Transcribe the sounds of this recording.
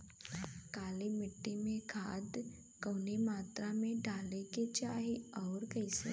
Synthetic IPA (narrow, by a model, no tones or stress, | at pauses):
kaːlimɪʈːimẽkʰaːd̪ | kəːnemaːt̪ɾamẽɖaːleket͡ʃaːɦiɔːɾkɐisḛ